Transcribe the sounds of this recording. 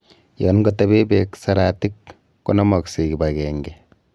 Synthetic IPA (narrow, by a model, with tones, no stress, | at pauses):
jɔ˨nɡɔ˦tabe˦bɛksa˨ɾati˦kː | ɔ˦nɔ˦mɔ˨kseki˨bakɛŋɡɛ